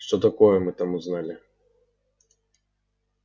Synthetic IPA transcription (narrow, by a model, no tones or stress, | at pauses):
ʂt̪ɔt̪ɐkɔjɛmɨt̪amuznalʲɪ